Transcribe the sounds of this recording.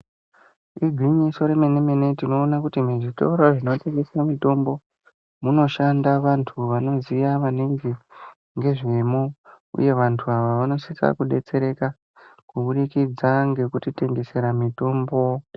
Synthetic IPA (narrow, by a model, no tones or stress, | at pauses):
iɡʱwiɲiso̞ɾe̞meneme̞ne̞tino̞ːnakutimuʐito̰uɾoʐino̞te̞ŋɡe̞samito̞mbo̞ | muno̞ʃandaʋantʰuʋano̞zijaʋaneŋɡe | ŋɡe̞ʐe̞mo | ṵje̞ʋantʰuaʋaʋano̞sit͡sa̰kuɗe̞t͡se̞ɾe̞ka | kuɓuɗikid͡zaŋɡe̞kutite̞ŋɡe̞se̞ɾamito̞ːmbo̞